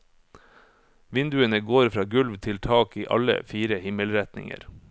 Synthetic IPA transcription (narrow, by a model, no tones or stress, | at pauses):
ʋɪnd̪ʉənəɡoːɾfɾɑːɡʉlʋt̪ʰɪlt̪ʰɑːkiːʔɑ̰lə̰fiːɾəhɪməlɾɛt̪nɪ̰ŋə̰ɾ